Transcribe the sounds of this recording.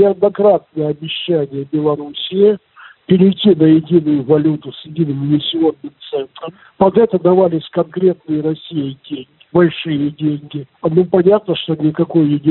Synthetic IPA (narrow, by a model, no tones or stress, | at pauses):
nʲɪɐd̪nɐkɾat̪̚nəjəɐbʲɪɕːænʲɪjəbʲɪlˠɐɾusʲɪjɪ | pʲɪɾʲɪjtʲːinəjɪdʲinʊjʊvɐlʲut̪ʊsjɪdʲinɨmɪnʲɪsʲːɪo̞nːɨmt̪sɛnt̪ɾəm | pɐd̪ɛt̪əd̪ɐvalʲɪsʲkɐnkɾʲe̞t̪nɨjəɾɐsʲijədʲeŋʲɪbɐlʲʂɨjədʲeŋʲɡʲɪ | nupɐnʲat̪̚nəʂt̪onʲɪkɐko̞jjɪdʲi